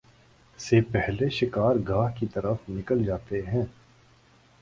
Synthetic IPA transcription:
sepɛɦleʃɪkaːɾɡaːɦkit̪ɐɾəfnɪkəld͡ʒaːt̪eɦɛ̃ː

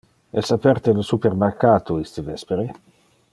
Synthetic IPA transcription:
ɛsapɛɾt̪elosupeɾmerkaːt̪ʰoist̪evɛspeɾe

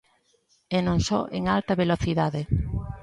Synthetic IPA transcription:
enõŋsɔ̰ʔeŋalt̪ɐβeloθiðaðe

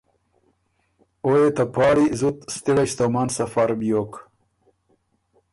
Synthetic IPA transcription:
ojet̪apɑːɽizut̪st̪iɽɐɕt̪omaːnsɐfaɾbijok

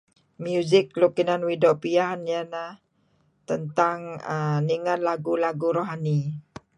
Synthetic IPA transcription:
mjuzɪklukinanwidopianjana | t̪ənt̪aŋəniŋat̪laɡulaɡuɾoɦani

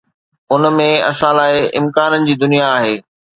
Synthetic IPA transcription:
ʊnmẽɐ̰ʃaːlaːeɪ̰̃mkaːnənɪ̆d͡ʑiːd̪ʊnijaːɦeː

